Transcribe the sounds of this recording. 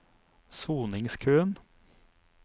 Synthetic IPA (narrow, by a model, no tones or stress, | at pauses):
suːnɪŋskʰʉːn